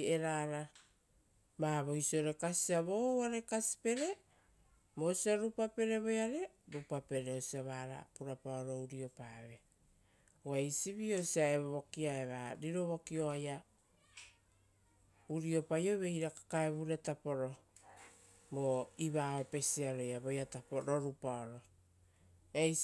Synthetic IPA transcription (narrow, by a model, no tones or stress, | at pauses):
e̞ɾaːɾa | maβo̞jsio̞ɾe̞kasiaβowaɾe̞kasi̥pe̞ɾe̞ | mo̞siaɾupape̞ɾe̞βo̞jaɾe̞ | ɾupape̞ɾe̞osiaβaːɾa̰puɾapaoɾo̞uɾio̞paβe̞ | wajsiβio̞siaeβoβokiaeβaɾiɾo̞βokio̞aja | uɾio̞pajo̞βe̞jɾakḁkaeβuɾe̞tapo̞ɾo̞ | moiβaope̞siaɾo̞jaβo̞jatapoɾoɾupaoɾo̞ | ej